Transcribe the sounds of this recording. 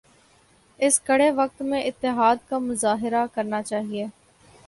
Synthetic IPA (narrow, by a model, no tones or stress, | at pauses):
ɪskɐɽeʋɐk̚t̪mẽʔɪt̪ːɪɦaːd̪kamʊzaːɦɪɾakɐɾnat͡ʃaːɦieː